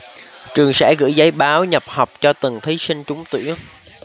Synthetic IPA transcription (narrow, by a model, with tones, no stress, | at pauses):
t͡ɕɨ˨˩əŋsa̰ː˧˥˩ɣɨ̰˧˥zaː˨˦jɓaː˨˦wɲə˨˩p̚ha˨˩wk͡p̚t͡ɕɔ˧t̪ɨ˨˩ŋt̪ʰi˨˦sï˧ŋ̟t͡ɕʊ˨˦ŋ͡mt̪wḭ˧˥əŋ